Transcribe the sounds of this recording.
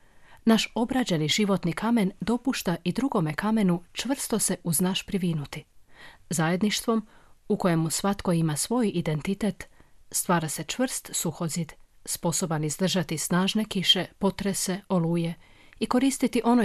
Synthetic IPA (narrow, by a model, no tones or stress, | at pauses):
naʃo̞bɾad͡ʑe̞niʒiʋo̞t̪nikʰame̞nd̪o̞puʃt̪aʔid̪ɾuɡo̞me̞kame̞nut͡ʃʋr̩st̪ose̞ʔuznaʃpɾiʋinut̪izaje̞d̪niʃt̪ʋo̞muko̞jemusʋat̪ko̞imasʋo̞jid̪e̞nt̪it̪et̪st̪ʋaːɾase̞t͡ʃʋr̩st̪suxo̞zid̪spo̞so̞banizd̪r̩ʒat̪isnaːʒne̞kiʃe̞po̞t̪ɾese̞o̞luːje | iko̞ɾiːst̪it̪iʔo̞no